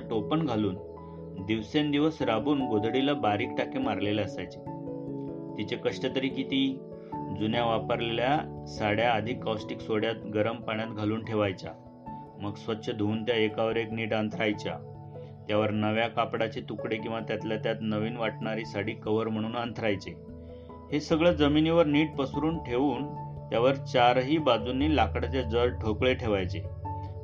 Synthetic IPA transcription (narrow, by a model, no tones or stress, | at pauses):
aʈopəɳɡʱaluːn | d̪iʋsend̪iʋəsɾabuːnɡod̪ʱɽilabaɾiːk̚ʈakemaɾleleəsajt͡ɕe | t̪it͡ɕekəʂʈət̪əɾiːkit̪iː | d͡zunjaʋapəɾleljasaɽjaəd̪ʱikːawsʈiksoɽjat̪̚ɡəɾəmpaɳjat̪ɡʱaluːnʈʰeʋajt͡ɕa̰ | məɡsʋət̪ːɕʰəd̪ʱuːnt̪jaekaʋəɾekniːʈənt̪ʰɾajt͡ɕja̰ | t̪jaʋəɾnəʋjakapɽat͡ɕet̪ukɽekĩw̃ʋat̪jat̪ljat̪jat̪nəʋiːnʋaʈɳaɾisaɽiːkəʋəɾm̤əɽ̃uːnant̪ʰɾajt͡se | hesəɡɭəd͡zəminiʋəɾniːʈ̚pəsɾuːnʈʰeʋuːnt̪jaʋəɾt͡ɕaɾɦiːbad͡zunːiːlakɽat͡ɕad͡zəlʈʰəkɭeʈʰeʋajt͡se